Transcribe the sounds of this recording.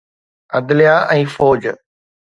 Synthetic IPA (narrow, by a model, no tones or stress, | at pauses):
əd̪lɪjaːʔɛ̃ːfoːd͡ʒ